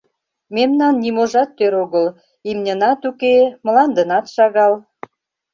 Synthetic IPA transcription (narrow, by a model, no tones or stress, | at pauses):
memnɑnːimoʒɑt̪ːøɾoɣəl | imnʲə̆nɑt̪ukemə̆lɑnd̪ənɑt̪ʃɑɣɑl